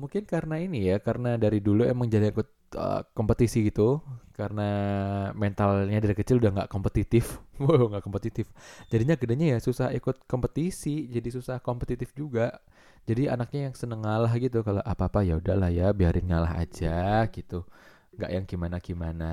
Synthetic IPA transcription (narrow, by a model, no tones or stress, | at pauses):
muŋkɪnkaɾənainijakaɾənadaɾiduluḛməŋd͡ʒadiŋikʊt̪̚ə̰kompət̪isiɡit̪ukaɾənamɛnt̪alɲadaɾikət͡ʃɪludahŋɡaʔkompət̪it̪ɪfuŋɡaʔkompət̪it̪ɪfd͡ʒadiɲakədaɲajasusahikʊt̪̚kompət̪isid͡ʒadisusahkompət̪it̪ɪfd͡ʒuɡaʔ | d͡ʒadia̰nak̚ɲajaŋsənəŋalaɦɡit̪ukaloʔapaːpajaudahlahjabiaɾɪnŋalaɦa̰d͡ʒaɡit̪u | ŋɡa̰ʔjaŋkimanakimana